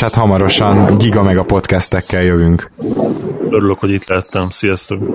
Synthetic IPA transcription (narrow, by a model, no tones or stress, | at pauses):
hat̪hɒmɒɾo̞ʃɒnɟiɡɒmɛɡɒpo̞t̪kɛst̪ɛkːɛljøvyŋk | øɾyløkho̞ɟit̪læɛt̪ːɛmsijɛst̪ø